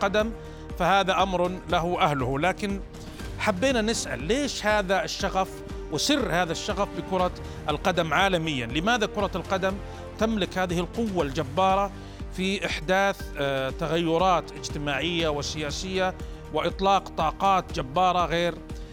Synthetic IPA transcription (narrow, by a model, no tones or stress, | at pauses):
qɑd̪am | fahaːðaʔamɾˤlaɦʊʔahlʊhlaːkɪn | ħabːiːnanɪsʔa̰lːeːʃhaːðaɪʃːaɣaf | wɪsɪrːhaːðaʃːaɣafbɪkʊɾˤɑ | ʔɪlqɑd̪amʕaːlamɪjːanlɪmaːðakʊɾˤɑlqɑd̪am | t̪amlɪkhaːðɪhɪlqʊwːald͡ʒabːɑːɾˤɑ | fiʔɪħd̪aːθt̪aɣajːʊɾˤɑːt̪ʔɪd͡ʒt̪ɪmaːʕɪjːawɪsɪjaːsɪjːa | wɪʔɪt̪ˤlɑːqt̪ˤɑːqɑːt̪d͡ʒabːɑːɾˤɑɣeːɾ